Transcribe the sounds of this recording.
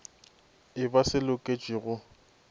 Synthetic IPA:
ɪbasɪlʊkʼet͡ʃʼɪɣʊ

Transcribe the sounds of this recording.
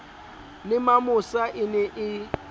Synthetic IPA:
lɪmamʊsaʔɪnɛʔɪ

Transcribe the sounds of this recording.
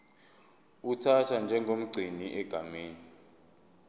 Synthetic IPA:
utʰatʰand͡ʒʱɛŋɡʱom̩ɡ͡ǀʱiniʔɛɡ̥ʱameːni

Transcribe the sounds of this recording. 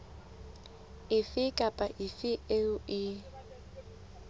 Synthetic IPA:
ɪfɪkʼapʼaʔɪfɪeʊɪ

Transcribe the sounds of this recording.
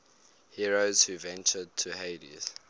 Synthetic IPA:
hiɹoz̥huvɛ̃nt͡ʃəd̚tʰuheɪdḭz̥

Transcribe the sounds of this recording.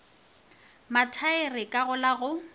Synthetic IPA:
matʰaɪrɪkʼaɣʊlaɣʊ

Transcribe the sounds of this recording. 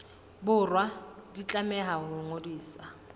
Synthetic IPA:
bʊrwadit͡ɬʼamɛɦaɦʊŋodiːsa

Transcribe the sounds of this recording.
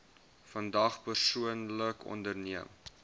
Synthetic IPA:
fɐndɐχpərsuənləkʰɔ̰ndərniəm

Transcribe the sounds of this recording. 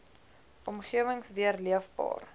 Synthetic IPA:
ʔɔmχiəvəŋsviərliəfbɑ̰ːr

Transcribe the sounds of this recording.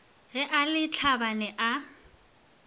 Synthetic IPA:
ɣɛʔalɪt͡ɬʰabanɛʔa

